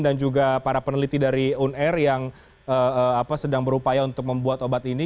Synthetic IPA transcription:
dand͡ʒuɡapaɾapənəlit̪idaɾiunɛrjaŋ | əəapasədaŋbəɾupajaunt̪ʊk̚məmbuat̪obat̪ini

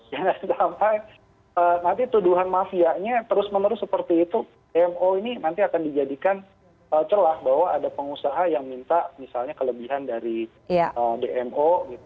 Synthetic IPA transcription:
janasampaj | ənant̪it̪uduɦanmafiaʔɲat̪əɾʊsmənəɾʊsəpərt̪iːt̪u | deɛmoininant̪iakandid͡ʒadikan | əːt͡ʃəlahbaɦwaːdapəŋusaɦajaŋmint̪amisalɲakələbiɦandaɾi | jaədeʔɛmʔoɡit̪̚u

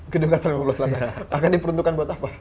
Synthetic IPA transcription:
ɡəduŋɡasaliməlasəlat̪anakandipəɾunt̪ukanbuat̪apa

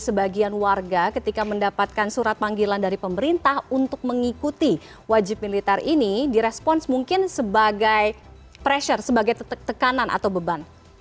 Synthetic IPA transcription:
səbaɡianwarɡakət̪ikaməndapat̪̚kansuɾat̪̚paŋɡilandaɾipəməɾint̪ahunt̪ʊk̚məŋikut̪i | wad͡ʒɪp̚milit̪ɛrinidiɾɛspɔnsmuŋkɪnsəbaɡaj | pɾɛʃərsəbaɡajt̪əkananʔa̰t̪awbəban

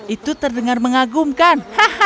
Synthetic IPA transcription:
ʔit̪ut̪ərdəŋarməŋaɡumkanhah

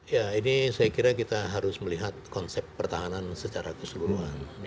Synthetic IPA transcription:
jainisajakiɾakit̪aɦaɾʊsməliɦat̪̚kɔnsɛpːərt̪aɦanansət͡ʃaɾakəsəluɾuɦan

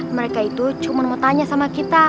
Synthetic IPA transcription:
məɾekait̪ut͡ʃumanmot̪aɲasamakit̪a

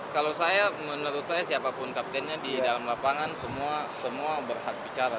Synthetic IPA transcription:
kalawsajamənəɾʊt̪̚sajasiapapʊnkap̚t̪ɛnɲadidalamlapaŋansəmuasəmuabərhak̚bit͡ʃaɾa

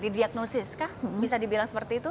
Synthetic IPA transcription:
didiak̚nosɪskahbisadibilaŋsəpərt̪iːt̪u

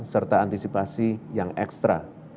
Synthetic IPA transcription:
sərt̪aant̪isipasijaŋɛkst̪ɾa

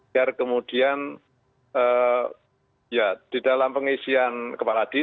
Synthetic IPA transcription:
arkəmud̥ian | əː | jad̥idalampəŋisiankəpalad̥i

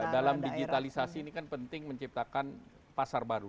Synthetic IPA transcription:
dalamdiɡit̪alisasiːnikanpənt̪ɪŋməɲt͡ʃip̚t̪akan | pasarbaɾu

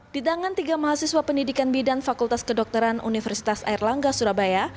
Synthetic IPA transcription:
b̥it̪aŋant̪iɡamaɦasiswapəndidikanbidanfakult̪askədɔk̚t̪əɾanṵnifərsi̥t̪asa̰irlaŋɡasuɾabaja

